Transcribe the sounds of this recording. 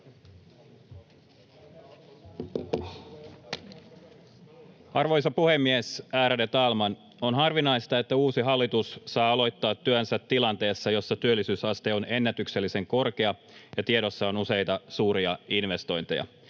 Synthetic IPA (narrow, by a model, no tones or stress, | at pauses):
ɑrʋo̞jsɑpuhe̞mːiesæːɾædet̪ɑːlmɑn | onɦɑrʋinɑjst̪ɑe̞t̪ːæuːsiɦɑlːit̪usːɑːɑlo̞jt̪ːɑːt̪ːyønsæt̪ːilɑnt̪e̞ːsːɑjo̞sːɑt̪yølːisyːsɑst̪eo̞ne̞nːæt̪ykselːise̞ŋko̞rke̞ɑ | jɑt̪ieɾo̞sːɑo̞nuse̞jt̪ɑsuːɾiɑinʋe̞st̪o̞jnt̪ḛjɑ̰